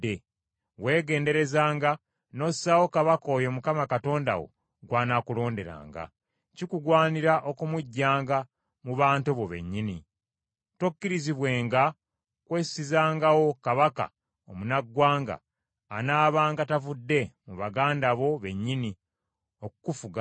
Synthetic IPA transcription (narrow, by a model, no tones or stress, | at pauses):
e | we̞ːɡe̞ːnde̞ɾe̞zaːŋɡa | no̞sawo̞kaβako̞ːjo̞mukamakato̞ːnda̰wo̞̰ | ɡwaːnakulo̞ːnde̞ɾa̰ːŋɡa̰ | cikuɡwaːniɾaʔo̞kumuɟːaːŋɡa | muβaːntuβo̞βe̞̰ɲːini | tokːiɾiziβwe̞ːŋɡa | kwe̞ːsizaːŋɡawo̞kaβaka̰ | omunaɡwaːŋɡa̰ː | naːβaːŋɡatavudːe̞muβaɡaːndaβo̞βe̞ɲːini | okukufuɡa